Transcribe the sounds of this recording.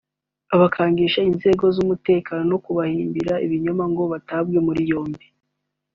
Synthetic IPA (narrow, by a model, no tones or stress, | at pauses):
aβakʰaːŋɡiʃainze̞ːɡo̞zumute̞ːkaːno̞no̞kuβahiːmbiɾaiβiɲomaŋɡo̞βatabɡe̞muɾijo̞ːmbi